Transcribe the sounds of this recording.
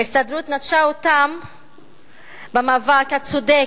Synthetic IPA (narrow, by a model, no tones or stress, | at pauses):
ist̪ad̪ɾut̪nat̪ʃaot̪am | bemaːvakhat͡sod̪e